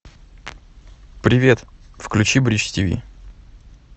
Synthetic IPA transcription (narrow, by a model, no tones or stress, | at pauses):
pɾʲɪvʲe̞t̪fklʲʉt͡ɕibɾʲit͡ɕtʲivʲḭ